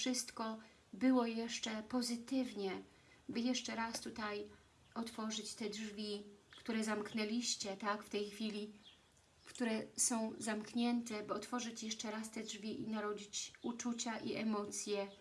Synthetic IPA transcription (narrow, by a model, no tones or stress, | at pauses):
ʂɘst̪kɔ | bɘwɔjɛʂt͡ʂɛpɔzɘt̪ɘvɲɛ | bɘjɛʂt͡ʂɛɾast̪ut̪aj | ɔt̪fɔʐɘt͡ɕt̪ɛdʐvʲikt̪uɾɛzamknɛlʲiɕt͡ɕɛt̪akft̪ɛjxfʲilʲi | fkt̪uɾɛsɔ̃w̃zamkɲɛnt̪ɛbɨɔt̪fɔʐɘt͡ɕjɛʂt͡ʂɛɾast̪ɛdʐvʲiʔinaɾɔd͡ʑit͡ɕut͡ʂut͡ɕaʔiʔɛmɔt̪sʲjɛ